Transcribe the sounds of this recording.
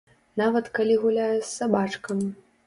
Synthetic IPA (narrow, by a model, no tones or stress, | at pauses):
navɐt̪kalʲiɣulʲajɛsʲsabat͡ʂkɐm